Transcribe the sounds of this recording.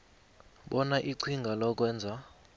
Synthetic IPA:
ɓɔnaʔiǀʰiŋɡʱalɔk̬ʼwɛːnd͡zʱa

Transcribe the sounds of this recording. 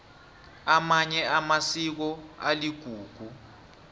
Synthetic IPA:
amaɲɛamasik̬ɔa̰liɡ̥ʱuːɡ̥ʱu

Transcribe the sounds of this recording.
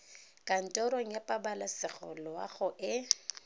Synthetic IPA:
kʼan̩tʼɔɾoŋ̩japʼabalasɪɣɔ̰lɔwa̰ɣʊʔɪ

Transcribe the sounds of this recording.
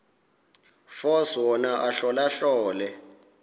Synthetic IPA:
fɔswɔnaʔaɬɔlaɬɔːlɛ

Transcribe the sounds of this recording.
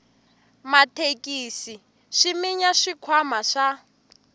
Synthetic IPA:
matʰekʼiːsi | ʃimiɲaʃikʰwamaʃa

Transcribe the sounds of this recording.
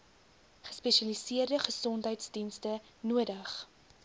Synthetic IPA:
χə̥spɛʃɐlisiərdəχəsɔntɦəjtsdinstə | nuədəχ

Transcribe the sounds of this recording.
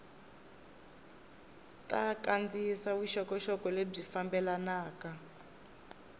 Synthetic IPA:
takand͡zisawiʃɔkɔʃɔkɔleb͡ʐifambɛlanaːka

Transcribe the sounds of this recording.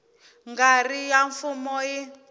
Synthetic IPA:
ŋɡarijaɱfumɔji

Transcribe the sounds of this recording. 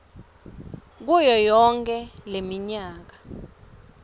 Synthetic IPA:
k̬ujɔjɔŋkʰʼɛlemiɲaːk̬ḁ

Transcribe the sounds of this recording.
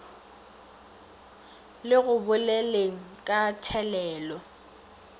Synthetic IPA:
lɪɣʊbʊleleŋ̩kʼatʰɛlɛːlɔ

